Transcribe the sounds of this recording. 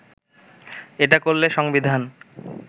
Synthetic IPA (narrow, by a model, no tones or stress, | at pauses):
eʈakoɾleʃɔŋbid̪ʱan